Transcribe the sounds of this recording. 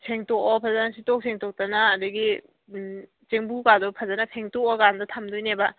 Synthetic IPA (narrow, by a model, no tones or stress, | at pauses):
sʰeŋtɔkɔpʰɐzanasitɔk̚sʰeŋtɔk̚tɐnɐːdɐɡi | t͡ʃeŋbukadɔpʰɐzanɐpʰeŋtokɔɡandɐtʰamdujnebɐ